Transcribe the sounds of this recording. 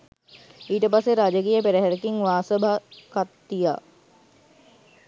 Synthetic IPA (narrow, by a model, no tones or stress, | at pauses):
iːʈəpasːeɾaːd͡ʒək̬iːjəpeɾəɦæɾəkiŋʋaːsəbʱakat̪ːija̰